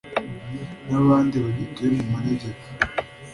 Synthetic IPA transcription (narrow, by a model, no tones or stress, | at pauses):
naβaːndiβaɟitujemumuɾeɟeko̥